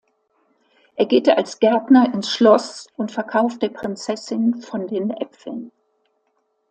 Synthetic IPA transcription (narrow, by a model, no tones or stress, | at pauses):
ʔeːɐɡeːtəalsɡ̥ɛɐtnɐʔɪnsʃlɔsʔʊntfɛɐkʰaʊftd̥eːɐpʁ̥ɪnt͡sɛsɪnfɔndeːnʔɛpfl̩n